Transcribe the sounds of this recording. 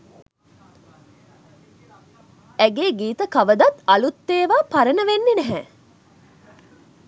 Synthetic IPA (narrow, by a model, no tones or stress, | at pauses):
æɡeːɡiːt̪əkaʋəd̪at̪alut̪ːeːʋaːpaɾənəʋenːenɛɦɛ